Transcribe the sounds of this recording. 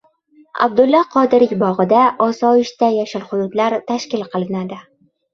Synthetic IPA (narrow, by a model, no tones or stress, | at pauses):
a̰bd̪ʊlˠːɒqʰɒd̪ɪɾɪkʲbɒʁɨd̪aʔɒsɒɪʃt̪ajaʃɪlχʊd̪ʊt̪laɾt̪ʰaʃkʲɪlˠqʰɨlˠɪnad̪ɪ